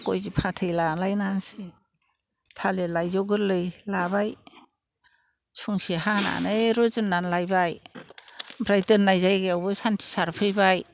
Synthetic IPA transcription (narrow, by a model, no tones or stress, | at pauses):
kɔjzipʰatʰɯjlalajnansi | tʰalelajzɔɡɯɾlɯjlabaj | suŋsiɦana̰naɾɔzɯnːanlajbaj | bɾajtɯnnajzajɡeawbɯsantʰi̥saɾpʰɯjbaj